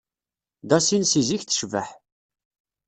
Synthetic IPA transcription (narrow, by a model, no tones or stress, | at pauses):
d̪ɑsinsiziçθə̥ʃvə̰ħ